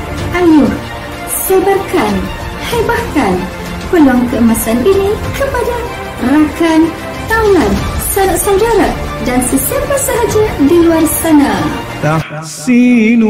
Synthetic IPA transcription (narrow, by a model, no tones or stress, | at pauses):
ʔajʊh | sabarkan | habahkan | pəlɔŋkəəmasanʔinikəpada | rakan | t̪awlansanasawdaɾadansəsiapəsaɦad͡ʒadiluarsana | t̪ah | sin